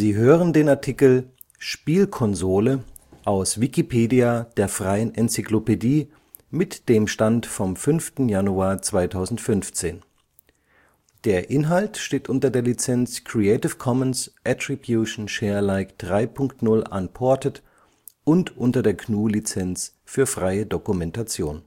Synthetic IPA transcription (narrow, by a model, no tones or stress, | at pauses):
ziːɦøːʁəndeːnaɐtʰikl̩ | ʃpiːlkʰɔnzoːlə | ʔaʊsv̥ikipʰeːdiad̥eːɐfʁ̥aɪənʔɛnt͡siklopediː | mɪtd̥eːmʃtantfɔmfʏnftn̩januaːɐt͡sv̥aɪtʰaʊzn̩tfʏnft͡seːn | d̥eːɐʔɪnɦaltʃteːtʔʊntɐdeːɐlit͡sɛnt͡skʁ̥iɛɪtɪfkʰɔmənsʔɛtʁ̥ibjuʃn̩ʃɛːɐlaɪkd̥ʁaɪpʰʊŋktnʊlʔa̰npʰɔɐtət | ʔʊntʔʊntɐdeːɐkʰnuːlit͡sɛnt͡s | fyːɐfʁ̥aɪədokumɛntat͡sjoːn